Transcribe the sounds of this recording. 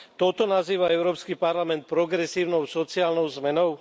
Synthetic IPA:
t̪ɔt̪ɔnaziːʋaɛʊɾɔːpskipaɾlamɛnt̪̚pɾɔɡɾɛsiːʊnɔʊsɔt͡siaːlnɔʊzmɛnɔʊ

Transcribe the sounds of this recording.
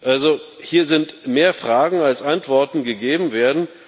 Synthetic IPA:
ʔalzo | hiːɐzɪntmeːɐfʁ̥aːɡŋ̩alsʔantv̥ɔɐtn̩ɡəɡeːbm̩veːɐdn̩

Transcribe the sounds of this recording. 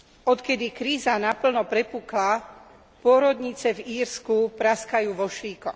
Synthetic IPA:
ɔt̪kɛd̪ikɾiːzanapl̩nɔpɾɛpuːkla | pʊɔɾɔd̪ɲit͡sɛviːɾskupɾaskajuːʋɔʃʋiːkɔx

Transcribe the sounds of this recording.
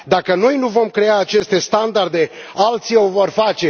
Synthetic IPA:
d̪akəno̞jnuvo̞mkɾe̞aːt͡ʃe̞st̪e̞st̪and̪ard̪e̞alt̪siowvo̞rfat͡ʃe̞

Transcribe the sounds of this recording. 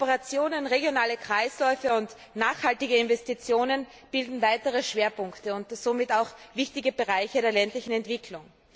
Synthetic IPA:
pəʁat͡sjoːnənʁeɡjonaːləkʁ̥aɪslɔʏfəʊnt | naːχhaltɪɡəɪnvɛstit͡sjoːnən | b̥ɪldn̩vaɪtəʁəʃv̥eːɐpʊŋktəʊntz̥omɪtaʊxvɪçtɪɡəbəʁaɪçədeːɐlɛntlɪçn̩ɛntv̥ɪkʰlʊŋ

